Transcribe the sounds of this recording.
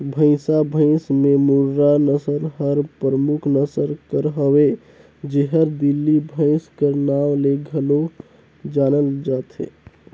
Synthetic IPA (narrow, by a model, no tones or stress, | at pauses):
bʱə̃ɪ̃sabʱə̃ɪ̃smemuɾɾanəsəɾɦəɾpɾəmukʰnəsəɾkəɾɦəwe | d͡ʒeɦəɾd̪ilːibʱə̃ɪ̃skənawleɡʱəlo | d͡ʒanəld͡ʒat̪ɦḛ